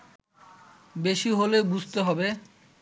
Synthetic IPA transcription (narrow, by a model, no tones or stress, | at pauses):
beʃiɦolebud͡ʑʱt̪eɦɔbe